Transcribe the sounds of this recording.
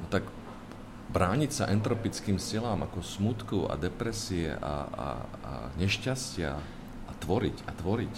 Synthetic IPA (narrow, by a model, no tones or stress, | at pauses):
nɔt̪aɡ | bɾaːɲicsaʔɛnt̪ɾɔpit͡skiːmsilaːmʔakɔsmut̪kɔa̰d̪ɛpɾɛsiɛ̰ʔa̰a̰ | a̰ɲɛʃcascɪa̰ː | t̪ʋɔɾḭcat̪ʋɔɾic